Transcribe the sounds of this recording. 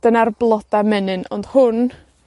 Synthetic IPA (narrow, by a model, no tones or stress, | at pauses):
d̥ənarblˠɔdamɛnɨnɔnd̥hʊn